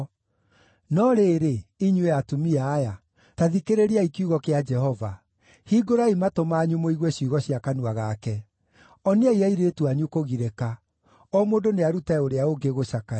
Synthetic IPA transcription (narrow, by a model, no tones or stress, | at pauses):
nɔɾeːɾeiɲuwejatumiaːja | taðikeɾeɾiaikiuɣɔkead͡ʒɛhɔva | hiɡoɾaimatomaːɲumoiɣwɛɕuɣɔɕiakanuaɣakɛ | ɔniaiaiɾetuaɲukoɣiɾeka | ɔmoːndoneaɾutaoɾeaoɡeɣoɕaka